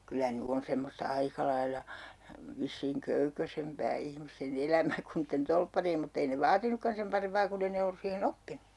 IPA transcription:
kylːæ ny on semːostɑ ɑikɑ lɑilːɑ ʋisːiːŋ køykøsempæː ihmisten elæmæ kun niːtːen tolpːɑriem mutː ei ne ʋɑːtinːukːɑn sem pɑrempɑː kunː ei ne olːus siːhenː opːinu̥

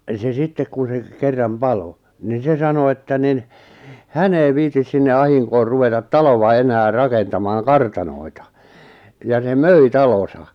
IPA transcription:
se sitːek kun̞ se kerːɑm pɑlo nin̞ se sɑno etːæ nin hæn ei ʋiːtis sinːe ɑhiŋkoːr ruʋetɑt tɑloʋɑ enæː rɑkentɑmɑːŋ kɑrtɑnoi̞tɑ jɑ se møi tɑlosɑ

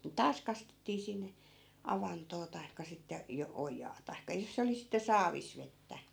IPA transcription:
tɑːs kɑstetːiː sinːe ɑʋɑntoː tɑi̯kːɑ sitːe jo ojɑː tɑi̯kːɑ jos se oli sitːe sɑːʋis ʋetːæ

